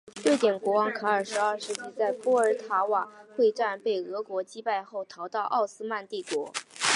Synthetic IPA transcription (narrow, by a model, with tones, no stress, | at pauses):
t̪we˥˩ɪt̪jɛ˨˩nkwɔ˧˥wɑ˧˥ŋkʰa˧˥ə˞˨˩ʂɻ̩˧˥ə˞˥˧ʂɻ̩˥˧t͡ɕi˥˧t͡sa˥˩ɪpwɔ˥ə˞˧˥t̪ʰa˧˥wa˨˩xwe˥˧ʈ͡ʂa˥˧npe˥˩ɪɤ˧˥kwɔ˧˥t͡ɕi˥pa˥˧ɪxo˥˩ʊt̪ʰɑ˧˥ʊt̪ɑ˥˧ʊʔɑ˥˩ʊsɹ̩˥ma˥˧nt̪i˥˩kwɔ˧˥